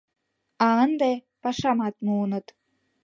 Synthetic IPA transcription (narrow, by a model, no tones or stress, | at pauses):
ɑənd̪e | pɑʃɑmɑt̪muunɤ̆t̪